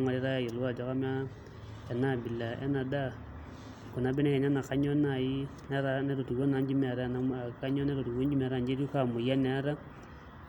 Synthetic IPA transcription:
ŋa˨ɾe˦ɾa˦˨jo˨lu˦wa˦˨d͡ʒɔ˨˦ka˦ma˦ | ɛ˨na˦˨bi˨la˨ʔɛ̰˦na˨da˦ | ko˨na˨˦be˦nɛ˦kɛ˨ɲa˦na˨ka˦ɲɔ˦na˨i˦nɛ˦ɾa˦nɛ˦ɾo˨tu˨ɡo˦na˨˦ɲd͡ʒi˦mɛ˨ɾa˦na˨ka˦ɲɔ˦nɛ˦ɾo˨tu˨ɡo˦ɲd͡ʒi˦ma˨ɾa˦˨ɲd͡ʒe˦ɾu˦ka˨mo˨ja˦nɛ˨˦ɾa˦

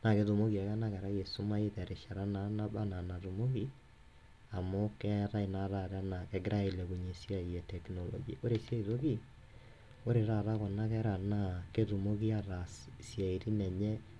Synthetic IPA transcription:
na˨ɣe˨ðu˨mo˦ɣi˨a˨ɣa˦na˦ɣɛ˨ɾa˦ɣɛ˨so˦ma˦e˦ðɛ˨ɾe˨ʃa˨ɾa˦na˨˦na˦βa˦na˨na˨ðu˨mo˦ɣi˦ | a˨mo˦kɛ˦ɾa˦i˨na˨ɾa˨ɾa˦na˨kɛ˨ɡɾa˦e˨lɛ˨ɣu˨ɲe˨sja˦i˨ɛ˨tɛ˨knɔ˨lɔ̰˨ɡia˨ʔo˦ɾe˨sja˦i˨ðo˦ɣi˦ | o˦ɾe˨ɾa˨ɾa˦ɣɔ˨na˦ɣɛ˦ɾa˨na˨keðu˨mo˦ɣi˦a˦ɾa˨sja˨e˨ɾi˦nɛ˨ɲɛ˦

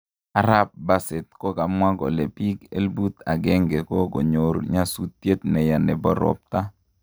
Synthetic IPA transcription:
a˦ɾa˦p̚ba˦se˨t̪̚ko˦ka˨mwa˦ɡɔ̰˨le˨pi˦ɡḛ˦lbu˦t̪a˨ɡɛ˦ŋɡe˨ko˦ɡo˨ɲo˨ɾɲa˦su˦t̪ːje˦t̪̚nɛ˨ja˨nɛ˨bɔ˦ɾɔ̰˨˦p̚t̪a˦

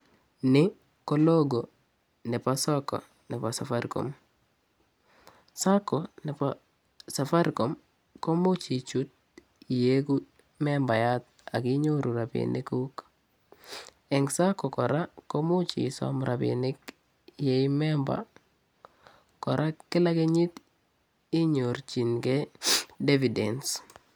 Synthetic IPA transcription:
nɪ˦ | kɔ˦lo˦ɡo˨ | nɛ˨pa˦sɔ˦kɔ̰˨ | nɛ˨pa˨sa˨fa˦ɾkɔ̰˨m | sa˦kɔ˨nɛ˨pa | sa˨fa˦ɾko˨m | ko˦mʊ˦t͡ʃi˨t͡ʃu˦t̪̚ | i˨je˦ku˦ | mɛ˦mba˨ja˦t̪̚ | a˨kɪ˦ɲo˦ɾu˨ɾa˨pḭnḭ˦ku˦k | ɛ˨ŋsa˦kɔ˨kɔ˨ɾa˦ko˦mo˦t͡ʃḭ˨sɔ̰˨mɾʔabɪ̰nɪ˦k | jɛ˨˦imɛmba̰˨ | kɔ˨ɾʔa˦kɪ˦la˦ke˦ɲi˦t̪ | i˦ɲo˨rt͡ʃi˨nkɛ˦de˦vi˨dɛ˨ns

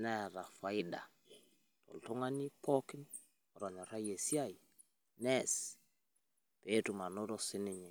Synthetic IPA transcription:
na˦˨ɾa˨fa˨ɪda̰˨ | tɔ̰˨ltu˦ŋa˦ni˦pʰɔkɪ˦n | ɔ˨ɾɔ˨ɲɔ˨ɾa˦je˨si˦a˦i˨ | nɛs | petuma˨no˦ɾɔsɪ˦nɪɲɛ˨

